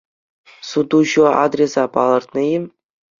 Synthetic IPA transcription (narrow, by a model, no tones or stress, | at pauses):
sud̪uɕuɑ̰d̪rʲesɑpɑlˠɤ̆rt̪nɤ̆jim